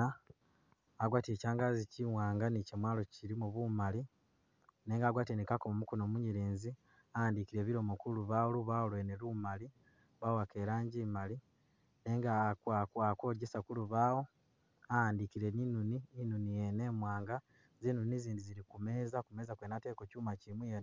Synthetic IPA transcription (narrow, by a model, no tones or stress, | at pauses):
aɡwaːte̞ːcaːŋɡaziciwaːŋɡanicemwaːlo̞ciɾimuβumali | neːŋɡaːɡwaːtenikakomumukonoːmuɲiɾeːnzi | aaːndikiɾe̞ːβiɾo̞mokuluβawoluβaolwenelumali | βawake̞ɾaːɲɟimali | neːŋɡakakako̞ɟesakuluβaːwo̞ | aaːndikiɾe̞ninuniinunijeneːmwaːŋɡa | ziːnuniziːndiziɾikume̞ːzakume̞ːzakwenateːkocuːmacimwijen